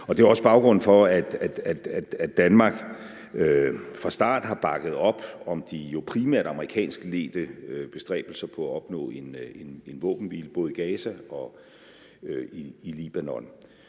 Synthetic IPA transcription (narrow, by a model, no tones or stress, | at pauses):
ɒ̽d̥e̝æɒ̽səb̥ɑ̈ʊɡ̥ʁɔ̽n̰̩fɒ̽æd̥æ̥æd̥æd̥æd̥ænmɑ̈ːɡ̥ | øfʁɑ̈sd̥ɑ̰̈ːd̥ɦɑ̈b̥ɑ̈ɡ̥ð̞̩ˠɒ̽b̥ɒ̽md̥ijo̝pʰʁimæɐ̰d̥ɑ̈məʁikʰɛ̰ːnsɡ̥le̝̰ːd̥əøb̥e̝sd̥ʁɛ̰ːb̥l̩sɐpʰɒ̽æɒ̽b̥nɔ̰̽ːe̝ne̝ne̝nʋɔ̰ːb̥n̩bḭːlb̥ɔ̽ːð̞̩ˠiɡ̥ɛːsæɒ̽ | øiiliːb̥ænɒn